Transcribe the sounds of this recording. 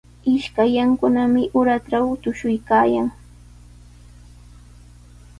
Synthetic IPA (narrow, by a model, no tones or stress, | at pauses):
ɪʃkajaŋkʊnamɪʔʊɾaʈ͡ʂawt̪ʊʃʊjkaːjaŋ